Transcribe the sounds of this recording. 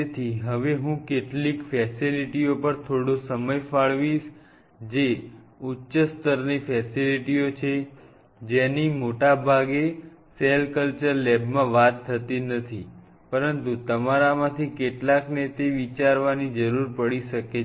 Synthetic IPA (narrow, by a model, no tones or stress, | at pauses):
et̪ʰiɦəʋeɦũkeʈlikfɛsiliʈiopəɾt̪ʰoɽosəməjfaɭʋiʃ | d͡ʒe | utːʃəst̪əɾnifɛsiliʈiot͡ʃʰe | d͡ʒenimoʈabʱaɡe | selkəlt͡ʃəɾlɛbmãʋat̪ʰːət̪inət̪ʰi | pəɾənt̪ut̪əmaɾamãt̪ʰikeʈlaknet̪eʋit͡ʃaɾʋanid͡ʒəɾuɾpəɽiʃəke